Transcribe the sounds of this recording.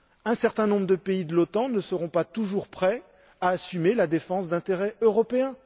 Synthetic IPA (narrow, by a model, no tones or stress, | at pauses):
ɛ̃sɛʁt̪ɛ̃nɔ̃bʁəd̪əpeid̪əlot̪ɑ̃nəsəʁɔ̃pat̪uʒuʁpχɛ | aːsymelad̪efɑ̃sd̪ɛ̃t̪eʁɛøʁɔpeɛ̃